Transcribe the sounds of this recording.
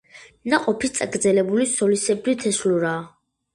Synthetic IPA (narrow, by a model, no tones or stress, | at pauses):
naqʼɔpʰist̪sʼaɡɾd̪zɛlɛbulisɔlisɛbɾit̪ʰɛsluɾaː